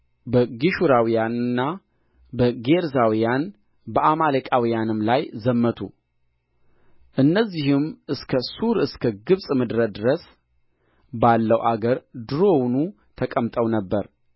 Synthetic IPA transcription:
bəɡiʃuɾawijanɨnːa | bəɡe̞ɾzawijan | bəʔamaləkʼawijanɨmlajzəmːət̪ʰṵ | ʔɨnːəzːihɨmʔɨskʰəsuɾɨskʰəɡɨβsʼmɨd̪ɾəd̪ɨɾəs | balːəwʔaɡəɾd̪ɨɾo̞wnu | t̪ʰəkʼəmt̪ʼəwnəbːəɾ

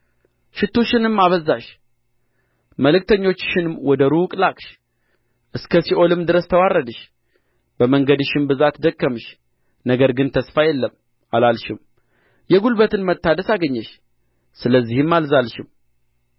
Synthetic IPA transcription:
ʃɪt̪ʰːoʃɪnɨmːaβəzːaʃ | məlɨk̚t̪ʰəɲːo̞t͡ʃːʃɪnɨmwɔd̪əɾukʼlakʼʃ | ʔɨskʰəsiʔo̞lɨmd̪ɨɾəst̪ʰəwarːəd̪əʃ | bəməŋɡəd̪ɨʃɪmbɨzat̪d̪əkːəmɨʃ | nəɡəɾɡɨnt̪ʰəsfajɛlːəm | alalʃɪm | jɛɡulbət̪ɨnmət̪ːad̪əsaɡəɲːɛʃ | sɨləzːihɨmːalzalʃɪm

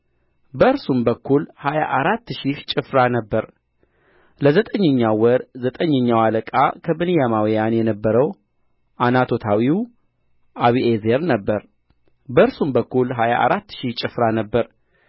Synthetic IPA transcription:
bəɨɾsumbəkʰːulhaja̰ʔaɾat̪ːʃiht͡ʃʼɪfɾanəbːəɾ | ləzət̪ʼəɲːəɲːawəɾzət̪ʼəɲːɛɲːawaləkʼa̰kʰəbɨnijamawjanjɛnəbːəɾəw | ʔanat̪ʰo̞t̪ʰawiw | ʔaβiezeɾnəbːəɾ | bəɨɾsumbəkːulɦaja̰ʔa̰ɾat̪ːʃit͡ʃʼɪfɾanəbːəɾ

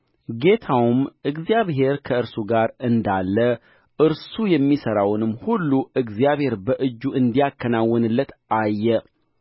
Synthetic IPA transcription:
ɡe̞t̪ʰawmʔɨɡzijaβɦe̞ɾkʰəɨɾsuɡaɾɨnd̪alːə | ʔɨɾsujɛmːisəɾawnɨmːhulːuʔɨɡzijaβhe̞ɾbəʔɨd͡ʒːuʔɨnd̪ijakːənawːɔnɨlːət̪ajːɛ

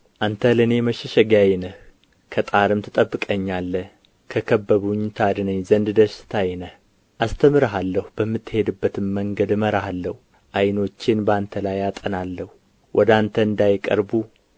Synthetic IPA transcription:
ʔant̪ʰəlɨne̞məʃɛʃɛɡajnəh | kʰət̪ʼaɾɨmt̪ʰɨt̪ʼəbːɨkʼəɲːalːəh | kʰəkʰəbːəβuɲt̪ʰad̪ɨnəɲzənd̪d̪əʃɪ̥t̪ʰajnəh | ʔast̪ʰəmɨɾəɦalːəhubəmːɨt̪ːɨhe̞d̪ɨbːət̪ʰɨmːəŋɡəd̪məɾahalːəhu | ʔajno̞t͡ʃːɪnbant̪ʰəlajat̪ʼənalːəhu | wʔɔd̪ant̪ʰəɨnd̪ajkʼə̰ɾbu

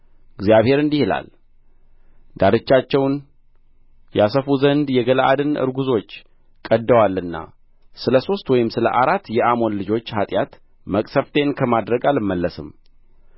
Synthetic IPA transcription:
ɨɡzjaβhe̞ɾɨnd̪ihɨla̰l | d̪̥aɾɨt͡ʃːat͡ʃːɛwn | jasəfuzənd̪jɛɡələʔa̰d̪ɨnʔɨ̰ɾɡuzo̞t͡ʃː | kʼəd̪ːəwalːɨnːa̰ | sɨləso̞st̪wɔjɪmsɨlə̰ʔaɾat̪ːjɛʔamo̞nlɨd͡ʒo̞t͡ʃːhat̪ʼjat̪ | məkʼsəft̪ʰe̞nkʰəmad̪ɾəɡalɨmːəlːəsɨm

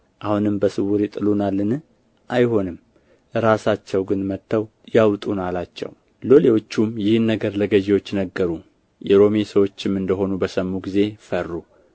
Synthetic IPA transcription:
ʔahunɨmbəsɨwuɾit̪ʼɨlunalːɨn | ʔajho̞nɨm | ɾasat͡ʃːɛwɡɨnmət̪ʰːəw | jawt̪ʼunalat͡ʃːɛ̰w | lo̞lewot͡ʃːumjɪhnːəɡəɾləɡəʒewo̞t͡ʃːnəɡːəɾu | jɛɾo̞mesəwo̞t͡ʃːɪmɨnd̪əɦo̞nubəsəmːuɡize̞fərːu

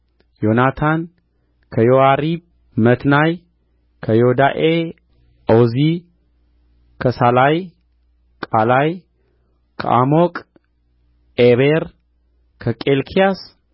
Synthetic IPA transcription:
jonat̪ʰan | kʰəjoaɾib | mət̪naj | kʰəjod̪aʔe | ʔozi | kʰəsalaj | kʼalaj | kʰə̰ʔa̰mokʼ | eβeɾ | kʰəkʼelkʰijas

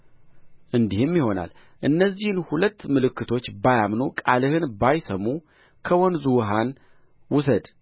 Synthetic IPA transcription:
ʔɨnd̪ihɨmjiho̞na̰l | ʔɨnːəzːihɨnhulət̪ːmɨlɨkʰːɨt̪ʰo̞t͡ʃːbajamnokʼalɨhɨnbajsəmːu | kʰəwɔnzuwɦan | wʊsəd̪

